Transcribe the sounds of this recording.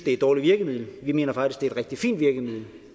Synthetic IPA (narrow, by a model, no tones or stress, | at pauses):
d̥eæɐd̥ɒːliʋiɐɡ̥əmið̰ˠləʋime̝̰ːnɐfɑ̈ɡ̥d̥isɡ̥d̥eædʁɛɡ̥̚d̥ifḭːnd̥ʋiɐɡ̥əmið̰ˠlə